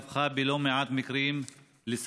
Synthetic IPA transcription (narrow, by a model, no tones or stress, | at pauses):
fxaːbɪloːmɪʕaːt̪mɪkɾiːm | lɪs